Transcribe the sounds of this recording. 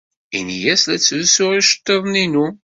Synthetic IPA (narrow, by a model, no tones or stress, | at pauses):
ḭnjæslæt͡sːðusʊɾiʃə̥t̪ˤːəðˤninu